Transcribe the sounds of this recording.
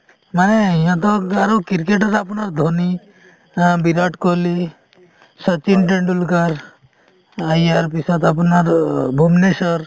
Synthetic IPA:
manɛiɦãt̪ɔaɾɔkiɾkeʈaɾapnaɾd̪ʱoni | biɾaʈkɔli | sət͡ʃinʈeɳɖulkaɾ | ajaɾpisɔt̪apnaɾbʱumnesɔɾ

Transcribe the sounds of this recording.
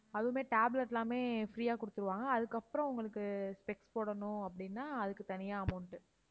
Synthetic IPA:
ɐðɯmeːʈaːblɐʈːlãːmeːfɾiːaːkʊɽɯt̪ːɯɾɯʋaːŋɡɐːðɯkːɐpːɯɾɔ̃ʊŋɡɐɭɯkːɯspɛkspoːɽɐnʊ̃ɐpːɐɽɪnːaːɐðɯkːɯt̪ɐnɪjaːɐmɐʊɳʈɯ

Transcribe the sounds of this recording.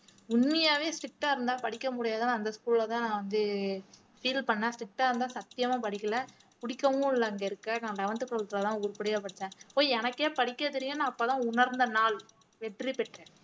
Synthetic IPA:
ʊnmɐjaːʋeːsʈɪk̚ʈːaːɪɾɯnd̪ãːpɐɽɪkːɐmʊɽɪjaːðɯnãːnd̪ɐskuːllɐt̪ãːnãːʋɐnd̪ɯ | fiːlpɐɳːãːsʈɪk̚ʈːaːɪɾɯnd̪ãːsɐt̪ːɪjɐmãːpɐɽɪkʲːɐlɐ | pʊɽɪkːɐmʊ̃ɪlːɐɐŋɡɐɪɾɯkːɐnãːlɐʋɐnt̪ɯkːɐɭt̪lɐt̪ãːʊɾɯpɪɽɪjaːpɐɽɯt͡ʃ̪ːɛ̃ːoːɛnɐkːeːpɐɽɪkːɐðɪɾɪŋɡɐnːãːɐpːoːt̪ãːʊnɐɾnd̪ɐnaːl | ʋɛʈrɾipɛʈrɛ̃

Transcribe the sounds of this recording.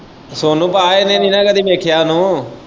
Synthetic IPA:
soːnũːpaːenẽːniːnãːkəd̪iːbeːkʰjaːnũː

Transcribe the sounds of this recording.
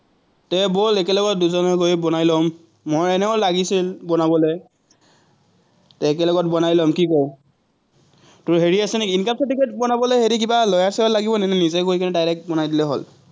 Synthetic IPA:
tɛbolekɛlɔɡɔt̚duzɔnɔkojbɔnajlɔmː | oɹɛnɛʊlaɡisilbɔnabɔlej | tɛːk̬ɛlɔɡɔt̚bɔnajlɔmkikɔɹ | tʊɹɦeɹiasɛnɛkiːnkap̚sɔtiketbɔnabɔlojheɹik̬ibalɔjasɛɔlaɡibɔnɛnɛnizɛkojkanɛdajlɛk̚bɔnajdilɛɦo̰l

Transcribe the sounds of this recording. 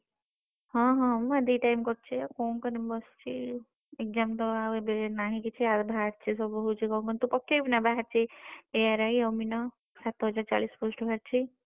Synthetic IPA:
ɦɔ̃ɦɔ̃mad̪iʈajmkɔɾt͡ʃʰekɔːŋkɔnembɔst͡ʃʰi | ek̚d͡ʒamt̪ɔaʋebenaɦĩkit͡ʃʰiat̪bʱaɾt͡ʃʰisɔbɔɦut͡ʃʰikɔmkɔnt̪upɔkːebinabaɦaɾt͡ʃʰieaɾaiɔwminɔ | sat̪ɦɔd͡ʒaɾt͡ʃa̰lispusʈbʱaɾt͡ʃʰi

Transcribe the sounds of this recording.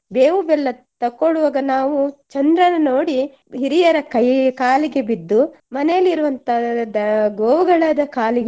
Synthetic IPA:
beːʋubɛlːɐ | t̪ɐkːoɭuʋɐɡɐnaːʋut͡ʃɐnd̪ɾɐnɐnoːɽi | ɦiɾijɐɾɐkɐjkaːliɡe̞bid̪ːu | mɐnejɐlːiɾuʋɐnt̪ɐd̪ɐɡoːʋuɡɐɭaːd̪ɐkaːliɡ

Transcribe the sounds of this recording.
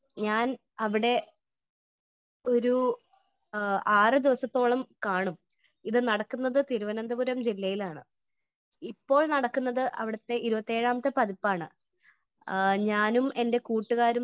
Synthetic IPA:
ɲaːn | ɐʋiɽe̞ | o̞ɾu | aːrɨd̪iʋɐsɐt̪ːo̞ːɭɐmkaːɳum | iðɨnɐɽɐkːunːɐðɨt̪iɾuʋɐnɐnd̪ɐbuɾɐmd͡ʑilːɐjilaːɳɨ | ipːo̞ːɭnɐɽɐkːunːɐðɨʔɐ̰ʋiɽɐt̪ːe̞ʔiɾubɐt̪ːe̞ːɻaːmɐt̪ːɐpɐðipːaːɳɨ | ɲaːnume̞nde̞kuːʈːuɣaːɾum

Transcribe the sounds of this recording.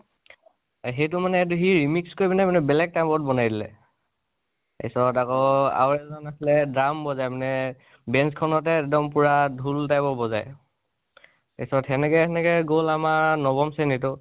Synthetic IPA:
ɦejtʊmanɛːt̬uɦiɹimikskojbanɛmanɛbɛlɛɡ̚tajmbɔɹt̚bɔnajdilɛ̰ | ḛsɔtakɔa̰wɹɛzɔnaslɛdɹambɔzajmanɛ | bɛnskʰɔnɔtɛɛdɔmpuɹadʱultajbɔbɔzaj | ḛsɔtɛnɛkɛɛnɛkɛɡolamaɹnɔbɔmsɛnitʊ

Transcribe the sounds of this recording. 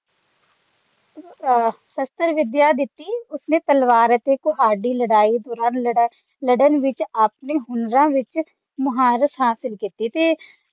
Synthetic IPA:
səst̪əɾʋɪd̪jad̪ɪt̪ːiʊsnet̪əlʋaːɾət̪ekoɦaːɖiləɽaːid̪ɔːɾaːn | ləɖənʋɪt͡ʃaːpneɦʊnɾãʋɪt͡ʃ | mʊɦaːɾəsɦaːsɪlkit̪it̪eː

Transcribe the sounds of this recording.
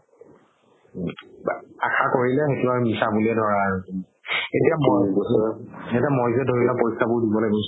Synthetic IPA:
axakoɹilɛxetʊaunisabulɛdʱɔɹaːɹuki | etiamoj | etiamojzɛdʱoɹilɔpojsabʊɹdibɔlaɡɔ

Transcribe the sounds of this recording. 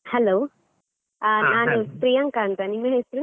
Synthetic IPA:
hɛloː | naːnust̪ɾijɐŋkaːnt̪ɐnimːɐɦeːsɾu

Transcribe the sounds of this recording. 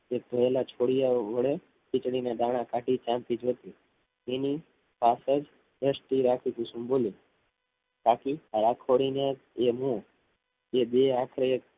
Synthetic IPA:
ek̚bʱəelat͡ʃʰoɽijaʋəɭe | kit͡ʃɽined̪aɽ̃ãkaʈit͡ʃãmt̪id͡ʒʱot̪i | ini | pasəd͡ʒ | əsʈiɾakʰit̪ʰũsũboli | kakiaakʰoɽine | eɦũ | ed̪eakʰɾeek̚

